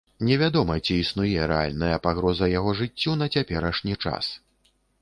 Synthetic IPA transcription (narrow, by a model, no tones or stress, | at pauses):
nʲɛvʲad̪ɔmɐt͡sʲiːsnujɛɾɛa̰lʲnɐjɐpaɣɾɔzɐjaɣɔʐɨt͡sʲːun̪ɐt͡sʲapʲɛɾɐʂnʲit͡ʂa̰s